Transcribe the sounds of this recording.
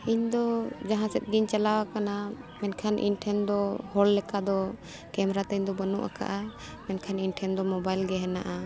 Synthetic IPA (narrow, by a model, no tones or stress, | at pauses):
iɲd̪ɔd͡ʒaɦãsɛt̪̚ɡiɲt͡ʃalawakanamɛnkʰanʔḭnʈʰɛnd̪ɔhɔlːɛkad̪ɔ | kɛmɾat̪ɛɲd̪ɔbənuʔa̰ka̰ʔa | mɛnkʰaninʈʰɛnd̪ɔmɔbajlɡɛɦɛnaʔa